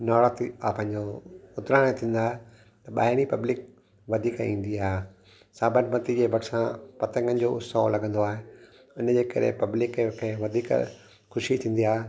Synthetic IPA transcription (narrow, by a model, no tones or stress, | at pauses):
nɔːɾət̪iapɐ̃ɦɪ̃ɲd͡ʑoʊt̪ɾaːɽ̃et̪ʰĩːn̆d̪aːɦe | t̪ɐɓa̰ːɪɽ̃ipɐblɪk̚ | ʋɐd̪ʱiːkĩːn̆d̪iaːɦe | saːbəʈmɐt̪id͡ʑebɐʈsãpɐt̪ə̃ŋɡən̆d͡ʑoːʊsaolɐɡʱə̃nd̪oaːɦe | ʊnd͡ʑeːkɐ̰ɾḛpɐblɪkekʰeʋɐd̪ʱiːk | xʊʃit̪ʰĩːnd̪iaːɦe